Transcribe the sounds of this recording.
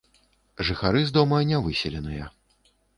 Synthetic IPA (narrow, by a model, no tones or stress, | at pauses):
ʐɨxaɾɨzd̪ɔmɐnʲavɨsʲɛlʲɛnɨjɐ